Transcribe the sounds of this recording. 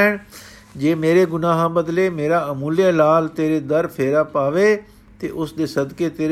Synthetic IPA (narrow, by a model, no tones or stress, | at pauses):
ɪɽ | d͡ʒeːmeːɾeɡʊnaːɦãbəd̪leːmeːɾaːəmuːlijalaːlt̪eːɾed̪əɾpʰeːɾaːpaːʋe | t̪eʔʊsd̪eːsɐd̪ket̪eːɾ